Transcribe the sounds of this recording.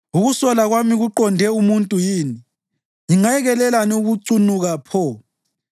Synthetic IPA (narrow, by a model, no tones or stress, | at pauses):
uɣusɔlaɣwamiɣuǃɔndʱɛumuntʼujiːni | jiŋajɛɣɛlɛlanɛuɣuǀunuɣapʰɔ